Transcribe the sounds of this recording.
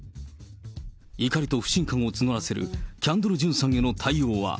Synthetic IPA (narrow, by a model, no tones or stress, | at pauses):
ikaɾʲit̪o̞ɸɯ̟̥ɕĩŋkãɰ̃ot͡sɨno̞ɾase̞ɾɯ̟̰kʲãnd̪oɾɯ̟ʑɨ̃ɰ̃sãŋ̃e̞no̞t̪ʰaioːβa̰